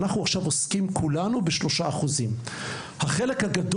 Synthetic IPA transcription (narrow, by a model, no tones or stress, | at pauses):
naχnuaχʃavo̞skimkʰulanubeʃlo̞ʃaaχuzim | haχe̞le̞khaɡad